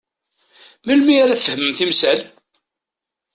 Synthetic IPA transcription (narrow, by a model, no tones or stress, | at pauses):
məlmiaɾæθfəhməmθimsæl